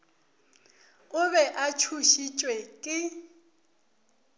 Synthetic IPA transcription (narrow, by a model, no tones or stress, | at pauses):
ʊβɛʔat͡ʃʰuʃit͡ʃʼwɛkʼɪ